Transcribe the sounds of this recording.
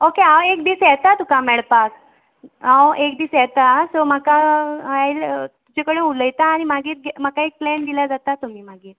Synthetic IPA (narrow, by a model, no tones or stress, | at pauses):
okeãwek̚d̪iːsjɛt̪at̪ukamɛɭpak | ãwekd̪iːsjɛt̪asomakaajlt̪ut͡ɕekəɽẽuləjt̪aːɽ̃imaɡʱiːɾɡɛmakaek̚plɛnd̪ilad͡zat̪at̪um̤iːmaɡiːɾ